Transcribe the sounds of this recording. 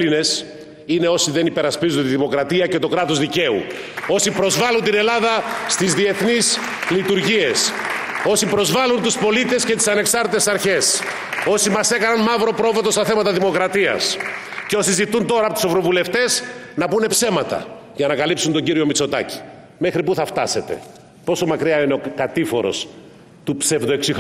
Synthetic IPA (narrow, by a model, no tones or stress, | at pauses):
line̞s | ine̞o̞siðe̞nipe̞ɾɐspizunt̪iðimo̞kɾɐt̪iɐcet̪o̞kɾɐt̪ozðice̞ṵ | o̞sipɾo̞zvɐlunt̪ine̞lɐðɐst̪izðie̞θnis | lit̪uɾʝie̞s | o̞sipɾo̞zvɐlunt̪uspo̞lit̪e̞scet̪i̥sɐne̞ksɐɾt̪it̪esɐɾçe̞s | o̞simɐse̞kɐnɐnmɐvɾo̞pɾo̞vot̪o̞st̪ɐθe̞mɐt̪ɐðimo̞kɾɐt̪iɐ̰s | ceo̞sizit̪unt̪o̞ɾɐpot̪u̥se̞vɾo̞vule̞ft̪e̞snɐpune̞pse̞mɐt̪ɐ̰ | ʝɐnɐkɐlipsunt̪o̞ɲɟiɾio̞mit͡so̞t̪ɐ̰ci̥ | me̞xɾipuθɐft̪ɐ̰se̞t̪e̞̰ | po̞so̞mɐkɾiɐineo̞kɐt̪ifo̞̰ɾo̞̰s | t̪upse̞vðoeksix